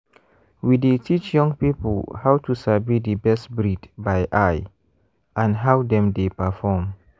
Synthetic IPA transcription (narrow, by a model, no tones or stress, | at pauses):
widetʰit͡ʃjɔ̃ŋɡpipəlhawtʰusabidəbɛstbɹidbaɪʔaɪ | ʔãnɦaʊdɛ̃mdepəfɔm